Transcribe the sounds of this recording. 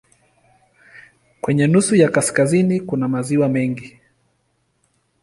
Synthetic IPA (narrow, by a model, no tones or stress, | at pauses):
kwɛɲɛnusujakaskazinikunamaziwamɛŋɡi